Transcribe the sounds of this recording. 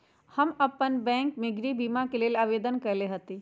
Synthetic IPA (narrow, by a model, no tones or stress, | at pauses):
hɐmɐpənbɛ̃ːŋkmeɡɾibiːmakeleːlaːʋeːd̪ənkɐɾleɦɐt̪i